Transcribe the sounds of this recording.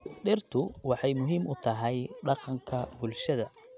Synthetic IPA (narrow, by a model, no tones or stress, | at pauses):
ɖɪrt̪ʰʊwɑħɑjmʊɦiːmʊt̪ʰɐɦɛjɖɑqɑŋkʰɐbʊlʃɐðɐ